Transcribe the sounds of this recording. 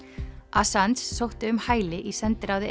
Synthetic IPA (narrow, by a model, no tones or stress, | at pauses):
ʔasant̪sːowht̪ɪʏmhaːjlɪʔisɛnt̪ɪɾaːwðɪ